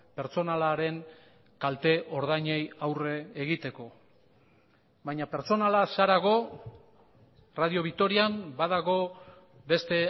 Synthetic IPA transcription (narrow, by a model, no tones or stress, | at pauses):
pe̞ɾt͡so̞nalaɾe̞ŋ | kalt̪e̞ʔo̞ɾð̞ajɲejawre̞ːɣit̪e̞ko̞ | βajɲape̞ɾt͡so̞nalasaɾaɣ̞o̞ | raðio̞β̞ikt̪o̞ɾiambaðaɣo̞ | be̞st̪e̞